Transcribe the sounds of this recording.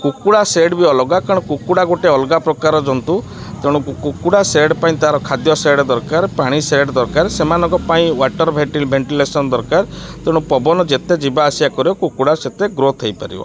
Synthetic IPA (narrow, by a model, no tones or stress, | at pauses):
kukuɽaseɖbiɔlɔɡakaɽ̃ɔ̃kukuɽaɡoʈeɔlɔɡapɾɔkaɾɔd͡ʒɔnt̪u | t̪eɽ̃ɔkukukuɽaseeɽpaĩt̪aɦaɾɔkʰad̪jɔseɽɔd̪ɔɾkaɾpaɽ̃iseɾɖɔd̪ɔɾkaɾsemanɔ̃ŋkɔpaĩwaʈɔɾbʱeʈibʱeɳʈilesɔnɔd̪ɔɾkaɾt̪eɽ̃ɔ̃pɔbɔnɔd͡ʒet̪ed͡ʒibaːsiakɔɾiɔkukuɽaset̪eɡɾot̪ʰejpaɾḭbɔ̰